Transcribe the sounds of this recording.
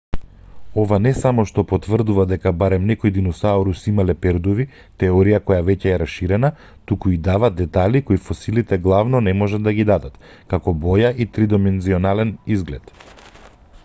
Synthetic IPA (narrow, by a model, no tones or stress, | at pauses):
ɔvanɛsamɔʃt̪ɔpɔt̪vr̩d̪uvad̪ɛkabaɾɛmnɛkɔjd̪inusaɔɾusimalɛpɛɾd̪ɔvi | t̪ɛɔɾijakɔjavɛcɛːɾasʃiɾɛna | t̪ukuid̪avad̪d̪ːɛt̪alikoifɔsilit̪ɛɡlˠavnɔnɛmɔʒad̪ːaɡid̪ad̪at̪ | kakɔbɔjaʔit̪ɾid̪ɔmɛnziɔnalɛnizɡlɛt̪